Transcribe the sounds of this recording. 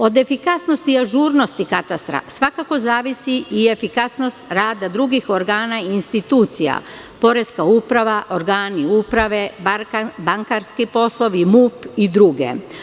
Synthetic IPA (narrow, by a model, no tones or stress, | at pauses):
o̞d̪e̞fikasno̞st̪iaʒuːɾno̞st̪ikat̪ast̪ɾa̰sʋakako̞zaːʋisiʔie̞fikasno̞st̪ɾaːd̪ad̪ɾuɡixo̞ɾɡaːnaiinst̪it̪uːt̪sija̰ | po̞ɾeskaupɾaʋaʔo̞ɾɡaːniupɾaʋe̞babaŋkaɾskipo̞slˠo̞ʋimupid̪ɾuɡe̞̰